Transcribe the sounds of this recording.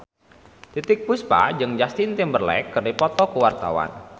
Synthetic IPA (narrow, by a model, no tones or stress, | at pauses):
t̪it̪ɪk̚puspa̰d͡ʒɨŋd͡ʒast̪int̪imbərlɛ̰kːərdipɔt̪ɔkuwart̪a̰wa̰n